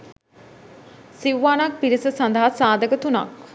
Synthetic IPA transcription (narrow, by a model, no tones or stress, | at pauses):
siuʋaːnak̚piɾisəsand̪əɦasaːd̪əkət̪una̰k